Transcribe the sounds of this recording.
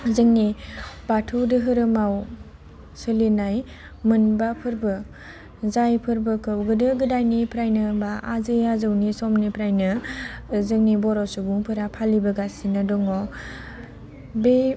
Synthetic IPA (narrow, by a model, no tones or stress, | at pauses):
zɯŋnibatʰudɯɦɯɾɯmaw | sɯlinaj | mɯnbapʰɯɾbɯ | zajpʰɯɾbɯkɯwɡɯdɯɡɯdajnipʰɾajnɯbaʔazɯjazɯwnisɔmnipʰɾajnɯ | zɯŋnibɔɾɔsubuŋpʰɯɾapʰalibɯɡasinɯdɔŋɔ | be